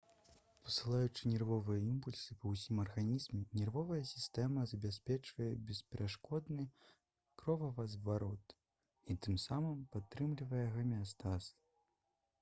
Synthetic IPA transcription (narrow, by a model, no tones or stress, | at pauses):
pɐ̥sɨlˠajut͡ʂɨnʲɛrvɔvɨjɛimpulʲsɨpɐwsʲimɐrɣanʲizmʲɛnʲɛrvɔvɐjɐsʲist̪ɛmɐzɐbʲasʲpʲɛt͡ʂvɐjɛbʲɛspʲɛɾʔaʂkɔd̪nɨ | kɾɔvɐvɐzvaɾɔt̪ | it̪ɨmsamɨmpat̪ːɾɨmlʲivɐjɛɣɐmʲast̪as